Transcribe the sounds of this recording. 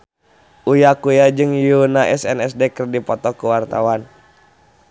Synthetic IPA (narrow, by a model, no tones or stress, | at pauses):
ʔujakujad͡ʒɨŋjunaʔɛsɛnɛsdɛkərdipɔt̪ɔkuwart̪awan